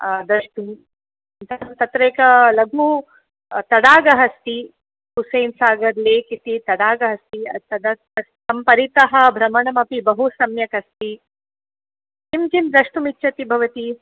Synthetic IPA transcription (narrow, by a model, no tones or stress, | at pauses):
d̪ɾɐʂʈu | t̪ɐt̪ɐt̪ɾeːkɐlɐɡu | t̪ɐɽaːɡɐɦɐst̪i | kusɐjːnsaːɡɐɾleːkit̪it̪ɐɽaːɡɐɦɐst̪iɐt̪ɐd̪ɐ | ɐst̪ɐmpɐɾit̪ɐɦɐ̆bʱɾɐmɐɳɐmɐpibɐɦusɐmjɐkɐst̪i | k̪imkimd̪ɾɐʂʈumitːʃʰɐt̪ibʱɐʋɐt̪i